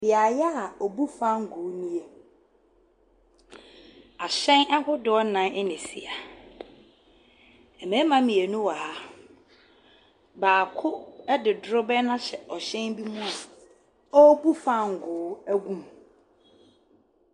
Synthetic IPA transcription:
dɪ˨a˨jɛ˦a˨ɔ˨bu˦fã˦ŋ̩˨ɡʊː˨˦nĩ˦e˦ | a˨ɕɛ̃˦na˦hʊ˦dɪ˨˦ɔ˦nã˨˦ʔɛ˦nĩ˨sḭ˨a˨ | ɛ˨mɛ̃˨˦mã˦mĩ˨e˨nũ˦wa˨ha˦ | baː˨kʰʊ˦ɛ˦dɪ˨dɾʊ˦bɛ˦nã˦ɕɛ˨ʔɔ˨ɕɛ̃˦nbi˦mũ˦a˨ | ɔ˦bu˦fã˦ŋ̩˨ɡʊː˨˦æ˦ɡũ˦m

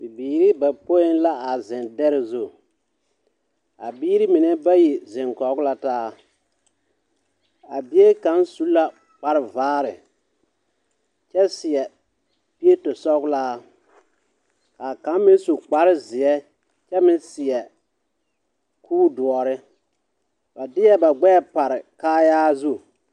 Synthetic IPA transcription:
bi˨biː˨ɾi˦ba˨po˦ɪ˦nla˦ʔa˨zɪ˨ndɛ˦ɾɪ˦˨zo˦˨ | a̰˨biː˦ɾi˦mɪ˨nɛ˦ba˦ji˨zɪ˨ŋkɔ˨˦ɡʊ˦la˦taː˦ | a˨bi˦e˦ka˨˦n˦su˦la˦ | k͡pa˦ɾɪ˨vaː˦ɾɪ˨ | t͡ʃɛ˦sɪ˨ɛ˨ | pi˦e˦tʊ˨sɔ˦ɡʊ˦laː˦ | ka˨ka˨˦m˦mɪ˦su˨k͡pa˦ɾɪ˦zɪ˨ɛ˦ | t͡ʃɛ˦mɪ˦nsɪ˨ɛ˨ | kʰuː˦dʊ˨ɔ˨ɾɪ˦ | ba˨dɪ˦jɛ˦ba˨ɡ͡bɛː˦˨pa˨ɾɪ˨kaː˦jaː˦zu˦

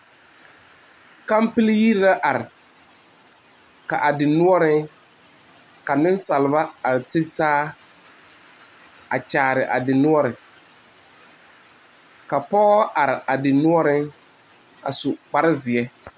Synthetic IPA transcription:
ka˦mpɪ˦lji˦ɾla˦ʔa˨ɾɪ˨ | ka˨ʔa˨dɪ˨nʊ˦ɔ˦ɾɪ˦ŋ | ka˨nɪ˦n˦sa˨lɪ˨ba˦a˨ɾɪ˨tɪ˦ktaː˦ | a̰˨t͡ʃaː˨ɾɪ˨ʔa̰˨dɪ˨nʊ˦ɔ˦ɾɪ˨ | ka˨pɔ˦ɣɔ˦ʔa˨ɾɪ˨ʔa˨dɪ˨nʊ˦ɔ˦ɾɪ˦ŋ | a̰˨sʊ˨k͡pa˦ɾɪ˦zɪ˨ɛ˦

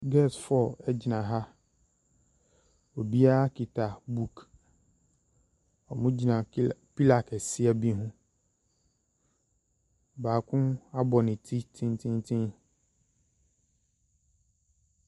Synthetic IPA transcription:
ɡɛ˦˨sfɔ˨ɛ˦d͡ʑi˨nã˨ɦa˦ | o˨bi˦a˦a˦kʰi˨tʰa˨bu˦˨k | ɔ˨mʊ̃˦d͡ʑi˨nã˨pi˦la˨kɛ˨sɪ˦ɛ˨bi˦ɦʊ̃˦ | baː˨kʰʊ̃˦a˦bɔ˨nɪ̃˨tʰi˦tʰĩ˦ntʰĩ˦ntʰĩ˦n

